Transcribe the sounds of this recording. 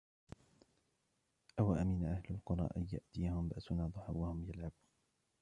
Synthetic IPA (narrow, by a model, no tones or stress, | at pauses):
ʔawaʔaminaʔahlalqʊɾˤɑ̰ːʔanja̰ʔt̪ijahʊmbaʔsʊnaːd̪ˤʊħa̰wːahʊmjalʕabuːn